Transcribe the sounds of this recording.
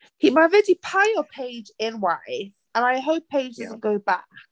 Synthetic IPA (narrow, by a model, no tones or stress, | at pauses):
himaɪɹɪdipʰaɪəpʰeɪd͡ʒɪ̃nwaɪ | ə̃naɪɦoʊpʰeɪd͡ʒdʌzə̃ɡoʊba̰k